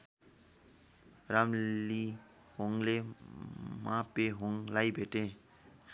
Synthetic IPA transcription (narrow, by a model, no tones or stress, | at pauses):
ramli | ɦoŋle | mãpeɦoŋlajbʱeʈẽ